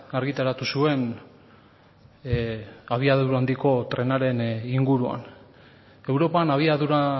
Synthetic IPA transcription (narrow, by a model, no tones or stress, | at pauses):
aɾɣit̪aɾat̪usue̞n | aβ̞iaðuɾand̪iko̞t̪ɾe̞naɾe̞niŋɡuɾua̰n | e̞wɾo̞panaβiaðuɾa